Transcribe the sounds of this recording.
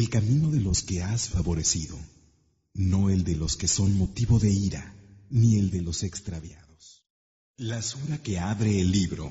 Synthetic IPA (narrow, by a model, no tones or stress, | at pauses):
e̞lkamĩno̞ðe̞lo̞ske̞asfaβo̞ɾe̞siðo̞̰ | no̞e̞ld̪e̞lo̞ske̞so̞nmo̞t̪iβo̞ðe̞iɾa̰nie̞ld̪e̞lo̞se̞kst̪ɾaβja̰ðo̞s | lasuɾake̞aβɾe̞ːlːiβɾo̞̰